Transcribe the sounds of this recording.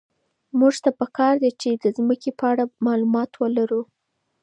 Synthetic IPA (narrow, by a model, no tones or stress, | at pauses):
muʒt̪apəkɑɾd̪et͡ʃed̪əzməkepəaɽamɑlumɑt̪wəlaɾu